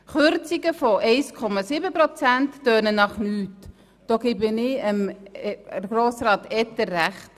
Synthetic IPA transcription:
χʏɾt͡siɡəfɔʔɛɪskʰɔmɑsibəpɾɔt͡sæntːœːnənɑχnyːt | d̥oːɡ̥ɪbənɪəm | ɡɾoːsɾɑːtɛt̪əːæχt

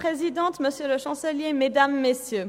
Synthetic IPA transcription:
χezid̪ɑ̃t̪məsjələʃɑ̃səljemed̪amːesjø

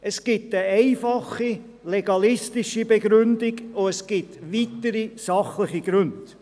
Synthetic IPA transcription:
ɛsɡ̥ɪtəɛɪfɑχi | leɡɑlɪstɪʃibeɡɾʉndɪɡoɛsɡ̥ɪtʋitəɾisɑχləχiɡ̥ɾʉnt

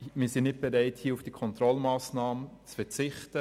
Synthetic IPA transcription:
miːsɪnnɪt̚b̥eɾaɪthiːufd̥ikʰɔntɾɔlmaːsnaːmət͡sfɛt͡sɪχtə

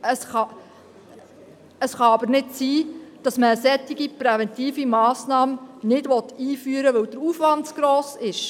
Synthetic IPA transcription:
əsχɑ | əsχɑɑbəɾnɪtsiːd̥ɑsməəsɛt̪ːɪɡipɾɛvɛntiːfimɑːsnɑːmnɪdʋɔt̪iːfyːəɾəʋɵwd̥əɾuːfʋɑndsɡ̥ɾɔːsɪʃ

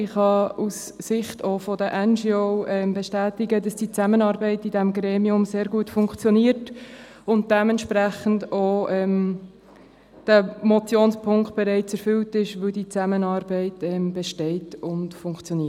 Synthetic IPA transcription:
ɪχhɑusːɪχtofɔdəʔɛnd͡ʒioʊʔɛmbɛʃtæːtɪɡəd̥ɑsd̥it͡sæmənɑːɾbɛɪtidɛmɡɾeːmiʊmseːɾɡuətfʊŋkt͡sjɔniːəɾt | ʊnt̚d̥ɛmɛntʃpɾæχən̩doʔɛm | d̥əmɔt͡sjoːnspʰʊŋkt̚b̥ɛɾɛɪt͡sɛɾfʏltɪʃʋɵldit͡sæmənɑːɾbɛɪtɛmbɛʃtɛɪtʊntfʊŋkt͡sjɔniː

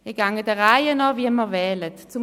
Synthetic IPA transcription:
iɡ̥aŋədəʁaɪənɔviməvɛːlətt͡sum

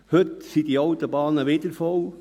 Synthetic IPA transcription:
hɵtsidiɑwt̪obɑːnəʋɪdəɾfɔw

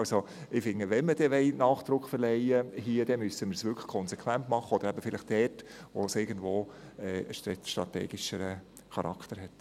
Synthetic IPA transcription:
ɑlso | ɪfɪŋːəʋɛnməd̥ɛʋɛɪnɑːχd̪̥ɾʊkχfəɾlɛɪjəɦiəd̥ɛmysəməsʋʏɾkʰə̥kʰɔnsɛkʰʋæntmɑχːəɔd̥̪əɾæbəfɪlɪχd̥ɛtʋo̰sɪɡən̩d̪ʋoːɛːəʃtʃtɾɑt̪ḛːɡ̥ɪʃəɾə | χɑɾʔɑ̰kʰt̪əɾɦɛt

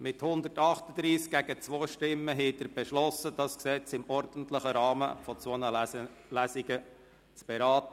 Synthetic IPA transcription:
mɪthʊnd̪ətɑχtəd̪ɾiːsk̚ɡ̥æɡ̥ət͡sʋoːʃtɪmːəɦɛtəɾb̥ɛʃlɔsəd̥ɑːsksɛːt͡sɪmɔɾdən̩tlɪχəɾɑːmə̰fɔt͡sonə | læsiɡə | t͡sb̥eɾɑːtə

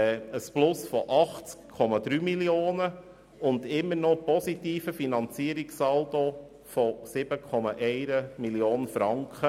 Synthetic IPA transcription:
əsplʊsfɔʔɑχt͡skkʰɔmɑd̪ɾyːmiljoːnə | ʊnd̪ɪmːəɾnɔpɔsit̪iːfəfinɑnt͡siəɾiksɑldo | fɔsɪb̥əkʰɔmɑʔɛɪɾəmiljoːnfɾɑŋkχə

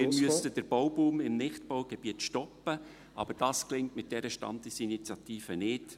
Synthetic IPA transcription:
ɪmyəstəd̥əɾb̥ɔwbuːmɪmnɪχtb̥owɡ̥eb̥iətʃtɔpːə | ʔɑ̰bəɾd̥ɑːsklɪŋtmɪt̚d̥ɛɾəʃtɑ̰ndɪsinit͡sjɑtiːfənɪːt

